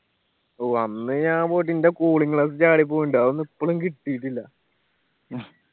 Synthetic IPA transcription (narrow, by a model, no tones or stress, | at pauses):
oːɐnːɨɲaːpoːjiʈ̬ːindekoːɭiŋɡɭaːs̬ɨt͡ɕaːɽip̬ːoːjuɳɖaːʋonːipːoɭumkiʈːijiʈːilːɐ